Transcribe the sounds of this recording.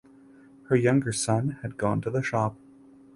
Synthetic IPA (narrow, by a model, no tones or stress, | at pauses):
hə˞jʌ̃ŋɡə˞sʌ̃nɨd̚ɡɔ̃ntʰɨðəʃɑp̚